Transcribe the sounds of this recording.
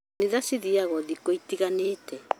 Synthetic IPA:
niðasiðiaɣɔðikɔitiɣaneːtʰɛ

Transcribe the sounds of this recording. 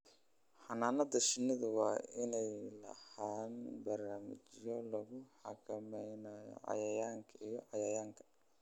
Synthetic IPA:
ħɑnaːnɐd̪ɐʃɪnɪðʊwɑːɪnɛjlɐ̰haːnbɐrnaːmɪ̰t͡ʃɪjɔlɐɣʊħɑ̰kʰɐmɛjnɐjɔ̰ʕɑ̰jɐjaːŋkʰɐijɔʕɑjɐjaːŋkʰɐ̥

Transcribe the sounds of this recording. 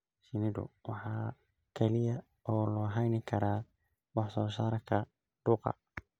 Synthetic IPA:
sɪnɪdʊ̰wɑħɑː | kʰɛlɪjɐ | ʔɔːlɔːɦɛjnɪkʰɐɾaː | wɑħsɔːsaːɾɐkʰɐ | d̪̥uːqɑ̰

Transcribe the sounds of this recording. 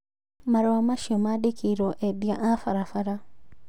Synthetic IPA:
maɾewamaʃomadikiɾoʔedjaʔafaɾafaɾa

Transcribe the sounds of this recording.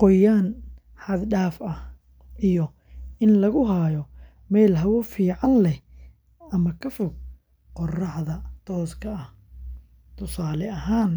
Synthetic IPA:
qɔjaːn | ħɑd̪ɖaːfɐh | ʔijɔ | ɪnlɐɣʊɦaːjɔ | mɛːlɦɐwɔfiːʕɑnlɛh | ɐmɐkʰɐfʊɡ̚ | qɔrɑħðɐt̪ʰɔːskʰɐɐh | t̪ʰʊsaːlɛʔɐɦaːn

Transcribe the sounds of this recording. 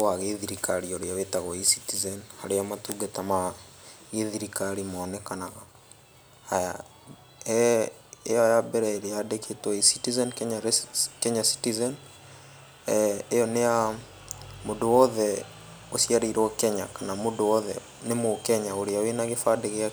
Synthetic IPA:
aɣeðiɾikaɾioɾeawetaɣɔisitizɛnha̰ɾeamatuɡatama | ɣeðiɾikaɾimːnɛkanaɣaː | ja | ɛ | ejɔjabɛɾɛeɾejadekʰetwɔisitizɛnkɛɲakɛɲasi̥tizɛn | ejɔnea | mondowɔðɛ | osjaɾiɾwɔkɛɲa̰kanamodowɔðɛ̰ | nemokɛɲaoɾeawenaɣefadeɣea

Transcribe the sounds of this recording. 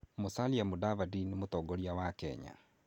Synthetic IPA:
mosaliamodavadinemotɔːɡɔɾiawakɛ̰ɲa̰

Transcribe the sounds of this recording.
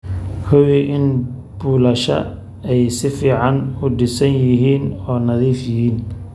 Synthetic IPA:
kʰɔwɪʔɪn | buːlɐʃɐ̰ | ɛjsɪfiːʕɑnʊɖɪsɐnjɪɦiːnɔːnɐðiːfjɪɦiːn

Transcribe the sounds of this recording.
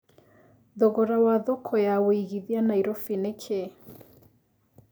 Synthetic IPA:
ðɔɣɔɾawaðɔkʰɔjawoiɣiðianaiɾɔfinekʰe

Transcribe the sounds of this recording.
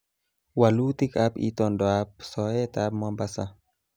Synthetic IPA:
walut̪ikapḭt̪ɔndɔap̚sɔet̪apmɔmbasa

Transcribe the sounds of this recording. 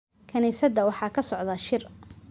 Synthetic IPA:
kʰɐniːsɐd̪ɐwɑħɑːkʰɐsɔʕðɐʃɪr

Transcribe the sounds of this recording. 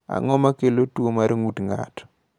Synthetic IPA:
a̰ŋɔmakelotwomaɾeŋutŋa̰tɔ̥

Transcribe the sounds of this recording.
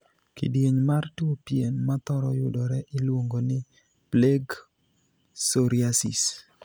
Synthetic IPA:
kḭdieɲmartopienmat̪ɔɾɔjʊdɔɾɛʔɪlwoŋɡonɪ | pleɡ | soɾiasḭs

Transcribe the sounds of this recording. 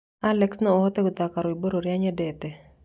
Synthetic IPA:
alɛksnɔɔhɔt̪ɛɡʊt̪akaɾɔiboɾoɾjaɲɛdɛt̪ɛ

